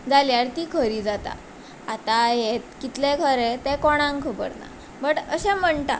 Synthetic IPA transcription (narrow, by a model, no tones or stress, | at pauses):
d͡zaljaɾt̪ikʰəɾiːd͡zat̪a̰ | at̪ajet̪kit̪lekʰəɾet̪ɛ̃kɔɽ̃ãŋkʰəbə̰ɾna̰ | bəʈəɕɛ̃m̤əɳʈ̪a̰